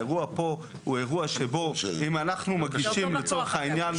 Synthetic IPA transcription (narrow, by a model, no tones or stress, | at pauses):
eʁuapo | ueʁuaʃeboimanaχnumaɡɡiʃimlet͡soʁeχhainjan